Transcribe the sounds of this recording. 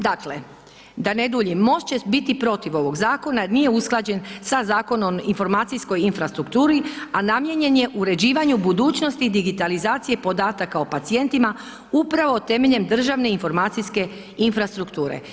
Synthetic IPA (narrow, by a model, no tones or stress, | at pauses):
d̪akle̞̰ | d̪aned̪uʎimːo̞ʃt͡ɕebit̪ipɾo̞t̪iʋo̞ʋo̞ɡzaːko̞nanije̞usklˠad͡ʑe̞nsazaːko̞no̞minfo̞ɾmaːt̪sisko̞jinfɾast̪ɾukt̪uːɾianamje̞ɲe̞nje̞ʔuɾe̞d͡ʑiːʋaɲubud̪uːt͡ɕno̞st̪id̪iɡit̪alizaːt̪sije̞po̞d̪aːt̪akaopat̪sije̞nt̪ima | upɾaʋot̪e̞me̞ʎe̞md̪r̩ʒaʋne̞info̞ɾmaːt̪siske̞ | infɾast̪ɾukt̪uːɾḛ